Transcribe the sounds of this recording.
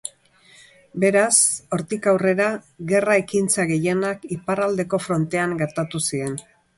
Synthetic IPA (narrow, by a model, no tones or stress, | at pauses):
be̞ɾaso̞ɾt̪ikawre̞ɾa | ɣe̞rae̞kint͡saɣe̞je̞nakiparald̪e̞ko̞fɾo̞nt̪e̞aŋɡeɾt̪at̪usie̞n